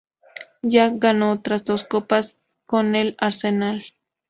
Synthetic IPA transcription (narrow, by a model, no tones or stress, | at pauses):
jaɡanoot̪ɾasd̪oskopas | konelaɾsenal